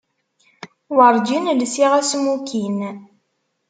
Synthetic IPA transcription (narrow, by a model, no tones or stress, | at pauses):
wəɾˤd͡ʒinlsiʁæsmukin